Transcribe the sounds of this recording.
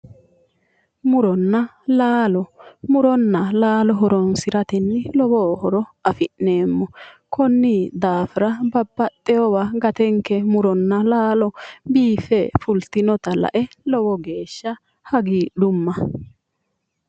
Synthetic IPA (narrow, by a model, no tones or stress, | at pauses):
mʊɾɔnːɐ | laːlɔmʊɾɔnːɐlaːlɔɦɔɾɔnsɪɾɐt̪ɛnːɪlɔbɔhɔɾɔɐfɪʔne̞ːmːɔkʰɔnːid̪aːfɪɾɐbɐbːɐt̪ʼːɛjɔwaɡɐt̪ɛŋkɛmʊɾɔnːɐlaːlɔbiːfɛfʊlt̪ɪnɔt̪ɐlɐ̰ʔɛ | lɔwɔɡe̞ːʃːɐ | hɐɡiːɗʊmːɐ